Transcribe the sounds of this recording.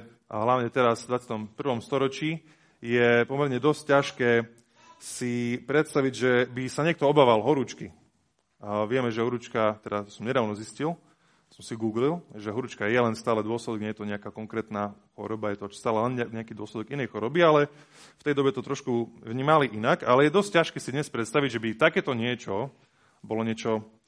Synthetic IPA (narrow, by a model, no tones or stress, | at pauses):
ɦlaʊɲɛt̪ɛɾazvd̪ʋat͡sɪat̪ɔmpr̩ʋɔmst̪ɔɾɔt͡ʃiː | jɛpɔmɛɾɲɛd̪ɔsccaʃkɛː | sipɾɛt̪st̪aʋiɟʒɛbisaɲɪɛkt̪ɔɔbaːʋalɦɔɾut͡ʃki | ʋɪɛmɛʒɛɦɔɾut͡ʃkat̪ɛd̪at̪ɔsɔmɲɛd̪aːʊnɔziscil | sɔmsiɡuːɡlilʒɛɦɔɾut͡ʃkajɛlɛnst̪aːlɛd̪ʊɔslɛd̪ɔɡɲɛjɛt̪ɔɲɛakaːkɔŋkɾɛːt̪naxɔ̰ɾɔbajɛt̪ɔt͡ʃst̪aːlɛlɛnɲɛɲɛakiːd̪ʊɔslɛd̪ɔɡinɛjxɔɾɔbialɛ | ft̪ɛjd̪ɔbɛt̪ɔt̪ɾɔʃkuvɲiːmaliʔinakalɛjɛd̪ɔsc̚cːaʃkɛːsid̪ɲɛspɾɛt̪st̪aʋiɟʒɛbit̪akɛːt̪ɔɲɪɛt͡ʃɔ | bɔlɔɲɪɛt͡ʃɔ